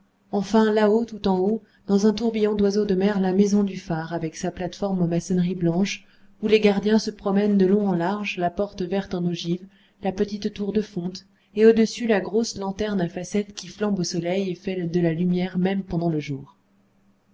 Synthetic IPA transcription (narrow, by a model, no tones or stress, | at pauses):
ɑ̃fɛ̃laot̪ut̪ɑ̃o | d̪̥ɑ̃zɛ̃t̪uʁbijɔ̃d̪wazod̪əmɛʁlamezɔ̃d̪yfaʁavɛksaplat̪fɔʁmɑ̃masɛnʁiblɑ̃ʃ | uleɡaʁd̪jɛ̃səpχɔmɛnd̪əlɔ̃ɑ̃laʁʒlapɔʁt̪vɛʁt̪ɑ̃noʒiv | lapət̪it̪ːuʁd̪əfɔ̃t̪ | eod̪əsylaɡʁoslɑ̃t̪ɛʁnafasɛt̪kʲiflɑ̃bosɔlɛjefɛd̪əlalymjɛʁmɛmpɑ̃d̪ɑ̃ləʒuːʁ